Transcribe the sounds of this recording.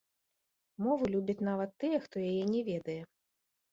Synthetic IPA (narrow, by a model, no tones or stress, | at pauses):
mɔvɨlʲubʲɐt͡sʲn̪avɐt̪ːɨjɛxt̪ɔjajɛnʲɛvʲɛd̪ɐjɛ